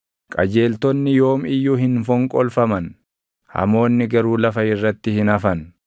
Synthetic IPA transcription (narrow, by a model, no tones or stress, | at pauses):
kʼɐ̰d͡ʒe̞ːlt̪ɔnːɪjo̞ːmɪjːuːɦɪnfɔŋkʼɔlfɐmɐn | hɐ̰mo̞ːnːɪɡɐɾuːlɐfɐɪrːɐt̪ːɪhɪnɐfɐn